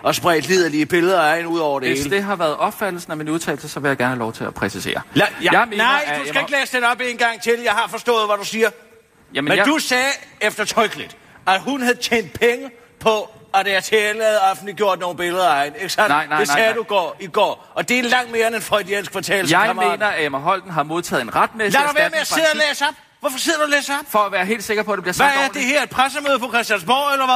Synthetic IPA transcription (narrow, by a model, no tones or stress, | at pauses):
ʔɒ̽sb̥ʁɛɪd̥lið̞ˠɐliːb̥e̝ləð̩ˠɐɑ̈ɪnuð̰ˠɒʊ̰ɐɾeeeːsləd̥e̝ɦɑ̈ʋæːɐðˠɒ̽b̥fæd̥l̩sn̩æminuðˠt͡sʰɛ̰ːl̩səsɒ̽ʋe̝jäɪɡ̥æɐnhælɒʊt͡sʰe̝læpʰʁɛsise̝̰ːɐjmenɑɪ̰dusɡæe̝ɡ̥lḛːsd̥enɒ̽b̥e̝nɡ̥ɑ̈ŋ̰t͡sʰe̝ljɑ̈ɪhɑ̈fɒ̽sd̥ɔ̰̽ːð̩ˠʋæɾ̥usiːɐ | jæmmed̥usɛːefd̥ɐt͡sʰɒɪɡ̥lid̥ | æɦunhæð̩ˠt͡ɕʰḛːnd̥̚pʰeŋə | pʰɒ̽ædæɐt͡sʰeːlæð̩ˠɑfn̩dliɡ̥jo̝ɐ̰d̥no̝ːn̩b̥e̝ləðˠɐɑ̈ɪneɡ̥əsænɪneɛːduɡ̥ɒ̰ːiɡ̥ɒ̰ː | ɒ̽d̥e̝ælɑ̈ŋ̰d̥̚me̝ːɐenenfʁɔɪd̥ienskʰʋɑ̈t͡sʰɛ̰ːlsɑ̈ɪme̝nɐæemɐɦɒ̽l̰d̥n̩ɦɑ̈mo̝ðˠt͡sʰɛ̰ːð̩ˠenʁad̥̚meslæɾuʋæɐmeæse̝ð̰ˠæleːsɒb̥ | ʋɒfɒ̽se̝ðˠɐd̥uleːsɒb̥fɒ̽æʋæːɐɦe̝̰ːld̥se̝ɡ̥ɐpʰɒ̽d̥e̝b̥iɐsææɐd̥e̝ɦæɐe̥pʰʁasəmøːð̩ˠpʰɒ̽kʰʁɛsd̥jæns̬mɒ̰ːelɐʋæ